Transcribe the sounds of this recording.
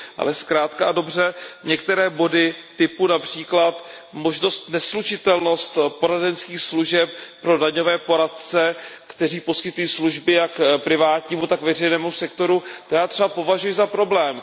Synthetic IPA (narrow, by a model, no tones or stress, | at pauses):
ʔa̰lɛskɾaːt̪kaado̞br̝ɛɲɛkt̪ɛɾɛːbo̞dɪt̪ɪpunapr̝̥iːklat̪ | mo̞ʒno̞st̪nɛslut͡ʃɪt̪ɛlno̞st̪po̞ɾadɛnskiːxsluʒɛp̚pɾo̞daɲovɛːpoɾat̪t͡sɛkt̪ɛr̝iːpo̞skɪt̪ujiːsluʒbɪjakpɾɪvaːt̪ɲiːmut̪akvɛr̝ɛjnɛːmusɛkt̪o̞ɾut̪ojaːt̪r̥ɛbapo̞vaʒujɪzapɾo̞blɛːm